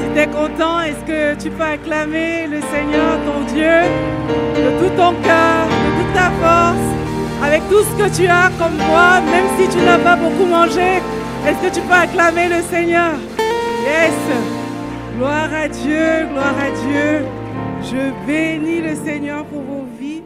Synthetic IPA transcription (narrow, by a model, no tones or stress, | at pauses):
sit̪ɛkɔ̃t̪ɑ̃ɛskət̪ypøʁeklameləseɲœʁt̪ɔ̃d̪jø | d̪ət̪ut̪ɔ̃kœʁd̪ət̪ut̪ːafɔʁs | avɛk̚t̪usə̥kət̪yakɔmt̪wamɛmsit̪ynapabokumɑ̃ʒe | ɛskət̪ypøʁeklameləseɲœːʁlɛs | ɡlwaʁad̪jøɡlwaʁad̪jø | ʒəbeniləseɲœʁpuʁvovi